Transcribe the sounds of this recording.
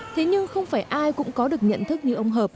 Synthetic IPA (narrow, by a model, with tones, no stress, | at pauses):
t̪ʰe˨˦ɲɨ˧ŋxə˧wŋ͡mfaː˧˩jʔaː˧jkʊ̰˧˥ŋ͡mkɔ˨˦ɗɨ˨˩ək̚ɲə̰˧˨nt̪ʰɨ˦˥k̚ɲɨ˧ʔə˧wŋ͡mɦəː˨˩p̚